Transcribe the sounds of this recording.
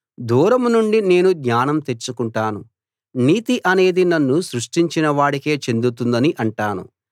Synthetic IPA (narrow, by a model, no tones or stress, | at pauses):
d̪uːɾɐmnuɳɖine̞ːnuɡɲaːnɐmt̪e̞t͡ʃːukuɳʈaːnu | niːt̪iʔɐne̞ːd̪inɐnːusɾuʂʈiɲt͡ʃinɐʋaːɽike̞ːt͡ʃe̞nd̪ut̪und̪ɐniʔɐɳʈaːnṵ